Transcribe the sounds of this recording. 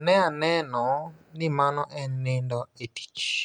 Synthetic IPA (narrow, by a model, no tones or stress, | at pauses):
nɛ̃anɛ̃nɔ̃nĩmãnɔ̃ʔɛ̃nĩndɔet̪i̥t͡ʃ